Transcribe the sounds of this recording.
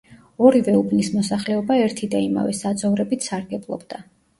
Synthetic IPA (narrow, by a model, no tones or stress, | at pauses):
ɔɾivɛubnismɔsaχlɛɔbaɛɾt̪ʰid̪aima̰vɛ̰sad̪zɔvɾɛbit̪ʰsaɾɡɛblˠɔ̰bd̪a